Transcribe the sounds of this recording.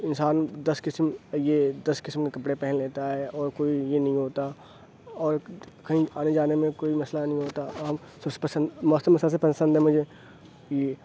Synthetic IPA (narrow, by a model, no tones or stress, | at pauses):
ɪnsaːnd̪ɐskɪsmjed̪ɐskɪsmkekɐpɽepɛɦɪ̃nleːt̪aɦɛɔːɾkoːijenɐɦĩɦoːt̪a | ɔːɾkɐɦĩaːned͡ʒaːnemẽkoːimɐslanəɦĩɦoːt̪a | sɐbse̥pɐsə̃nd̪mɐsemɐslas̬epɐsə̃nd̪ɦɛmʊd͡ʒʱe | je